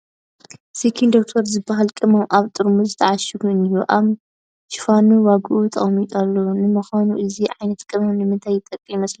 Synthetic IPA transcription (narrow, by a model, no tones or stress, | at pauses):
sikʰind̪ok̚t̪ʰoɾzɨbaɦalkʼɨmɐmʔaβt̪ʼɨɾmuzɨt̪ʰɐʕaʃiɡuɨnjuʔaβ | ʃɪ̥fanuwaɡɨʔut̪ʰʼɐ̰χmit̪ʼalːonɨmɐxanuʔɨziʕajnɐt̪kʼɨmɐmnɨmɨnt̪ʰajːɪt̪ʼɐkʼːimɐsli